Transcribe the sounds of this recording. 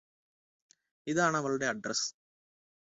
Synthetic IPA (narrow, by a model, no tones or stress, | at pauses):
iðaːɳɐʋɐɭɐɽe̞ɐɖrɐs